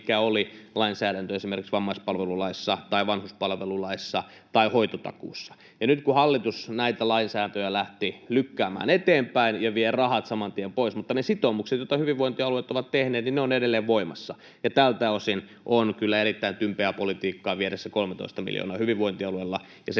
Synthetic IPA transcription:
kæolilɑinsæːɾænt̪øesimerkiksʋɑmːɑispɑlʋelulɑisːɑt̪ɑiʋɑnhuspɑlʋelulɑisːɑ | t̪ɑihoit̪ot̪ɑ̰kṵːsːɑ̥ | jɑnyt̪kuhɑlːit̪usnæit̪ælɑinsæːnt̪øjælæht̪ilykːæːmæ̰ːnet̪eːmpæinjɑʋierɑhɑt̪sɑmɑnt̪iempoismut̪ːɑnesit̪omukset̪jot̪ːɑhyʋiʋʋoint̪iɑluet̪oʋɑt̪t̪ehneːt̪ninneoneɾelːeːʋʋoimɑsːɑ | jɑt̪ælt̪æosin | ʔonkylːæerit̪ːæint̪ympeæpolit̪iːkːɑːʋieɾesːækolmet̪o̰ist̪ɑmḭljo̰nɑːhyʋiʋʋoint̪iɑluelːɑ | jɑs

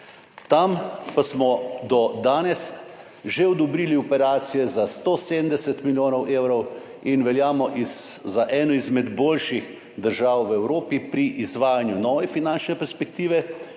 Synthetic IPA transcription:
t̪ampasmɔd̪ɔd̪aːnɛs | ʒeɔd̪ɔbɾiːliɔpɛɾaːt̪sijɛzast̪oseːd̪md̪ɛsɛt̪miljoːnɔwʔeːwɾɔw | inʋɛljaːmɔʔizzaʔɛːnɔizmɛd̪boːlʃix | d̪əɾʒaːwʋɛwɾoːpipɾiʔizʋaːjanjunɔːʋɛfinant͡ʃnɛpɛɾspɛk̚t̪iːʋɛ

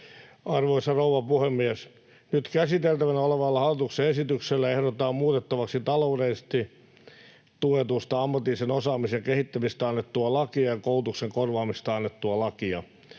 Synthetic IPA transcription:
ɑrʋoisɑrouʋɑpuhemːies | nyt̪kæsit̪elt̪æʋænæoleʋɑlːɑhɑlːit̪ukseesit̪ykselːæehɾot̪ːˑɑːmmuːt̪et̪ːɑʋɑksit̪ɑloudeist̪i | t̪uet̪ust̪ɑɑmːɑt̪ːiːsenosɑːmisjɑkehit̪ːæmist̪æɑnːet̪ːuɑlɑkiɑjɑkoult̪ukseŋkorʋɑːmist̪ɑnːet̪ːuɑlɑkiɑ̰

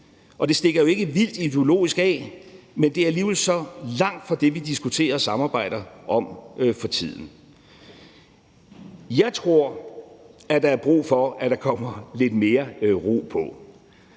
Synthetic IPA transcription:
ʔɒ̽d̥e̝sd̥e̝ɡ̥ɐjo̝e̝ɡ̥əʋil̰d̥id̥eolo̝̰ːisɡ̥ɛːmend̥e̝æɐliːʋelsɒ̽lɑ̈ŋ̰d̥fɒ̽d̥e̝ʋid̥isɡ̥ut͡sʰe̝̰ːɐsɑ̈mɑ̈ːb̥ɑ̈ɪ̰ɾ̥ɐʔɒ̽mfɒ̽t͡sʰið̰ˠn̩ | jɑ̈ɪt͡sʰʁo̝ɐ̰ | æd̥ɑ̈æɐb̥ʁṵːfɒ̽æd̥ɑ̈kʰɒ̽m̰ɐle̝d̥me̝ːɐʁo̰ːpʰɒ̽

